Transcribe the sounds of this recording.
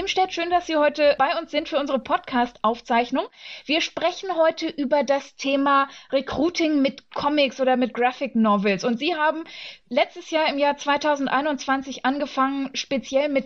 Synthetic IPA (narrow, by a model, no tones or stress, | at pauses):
iːmʃtɛːtʃøːndasz̥iːhɔʏtəb̥aɪʊnsz̥ɪntfyːɐʊnzəʁəpʰɔtkʰaːstʔaʊft͡saɪçnʊŋviːɐʃpʁ̥ɛçn̩ɦɔʏtʰəʔyːbɐdastʰeːmaʁekʁ̥uːtʰɪŋmɪtkʰɔmɪksʔoːdɐmɪt̚ɡ̥ʁafɪknɔvɛlsʊntz̥iːɦaːbm̩lɛt͡stəsjaːɐɪmjaːɐt͡sv̥aɪtʰaʊzn̩tʔaɪnʊntt͡sv̥ant͡sɪçʔanɡəfaŋənʃpet͡sjɛlmɪt